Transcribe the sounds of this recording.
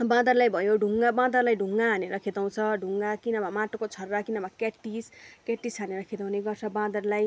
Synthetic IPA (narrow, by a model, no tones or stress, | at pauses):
bãd̪ʌrlajbʱʌjoɖʱuŋɡabãd̪ʌrlajɖʱuŋɡaɦaneɾʌkʰet̪aw̃t͡sʰʌɖʱuŋɡakinʌbʱamaʈokot͡sʰʌrːakinʌbakaʈːiskaʈːisɦaneɾʌkʰet̪aw̃neɡʌrt͡sʰʌbãd̪ʌrlaj